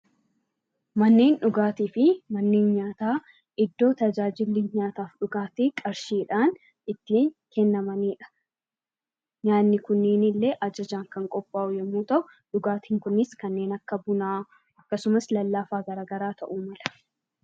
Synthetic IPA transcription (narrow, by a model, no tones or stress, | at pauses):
mɐnːeːnᶑʊɡaːt̪iːfɪmɐnːeːnɲaːt̪aː | ɪd̪ːo̞ːt̪ɐd͡ʒaːd͡ʒɪlːiːɲaːt̪aːfᶑʊɡaːt̪iːkʼɐɾʃiːᶑaːn | ɪt̪ːiːkɛnːɐmɐniːᶑɐ̥ | ɲaːnːɪkʊnːeːnɪlːeːʔɐd͡ʒɐd͡ʒaːŋkɐŋkʼɔpʼːaːʔʊjɛmːuːt̪ɐʔʊ | ᶑʊɡaːt̪iːŋkʊnɪskɐnːe̞ːnɐkːɐbʊnaː | ɐkːɐsʊmɐslɐlːaːfaːɡɐɾaːɡɐɾaːt̪ʰɐʔuːmɐlɐ̥